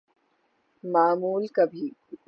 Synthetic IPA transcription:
maːmuːlkɐbʱiː

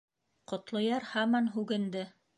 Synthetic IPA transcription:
qŏt̪lˠŏjɑɾhɑmɑnɦʉɡɘ̆nd̪ɘ

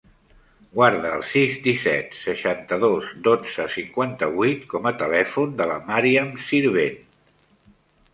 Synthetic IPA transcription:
ɡwaɾðəːlˠsizd̪isɛ̰t̪səʃant̪əðozd̪od͡zəsiŋkwant̪əβut̪kɔmət̪əlɛfund̪ələmaɾiəmsiɾβen

